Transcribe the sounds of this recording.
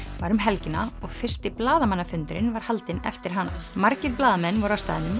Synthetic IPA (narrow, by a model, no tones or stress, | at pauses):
vaɾʏmɦɛlcɪnːaɔɣfɪr̥st̪ɪplaːðamanːafʏnt̪ʏɾɪnvaɾ̥halt̪ɪnɛ̰ft̪ɪɾ̥ɦanːa̰maɾcɪɾplaːðamɛnvɔɾawst̪a̰ːðɪnʏm